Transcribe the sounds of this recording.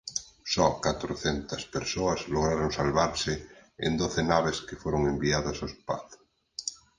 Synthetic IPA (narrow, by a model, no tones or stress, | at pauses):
sɔkat̪ɾoθent̪aspeɾsoazloɣ̞ɾaɾoŋsalβaɾseḛnd̪oθenaβ̞eskefwoɾoŋembiaðasospa̰θ